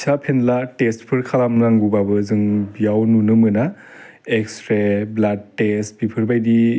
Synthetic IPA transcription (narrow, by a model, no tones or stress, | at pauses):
sapʰenlatestpʰɯɾkʰalamnaŋɡubabɯzɯŋbijawnunɯmɯna | ekstɾeblad̚ːestbipʰɯɾbajdi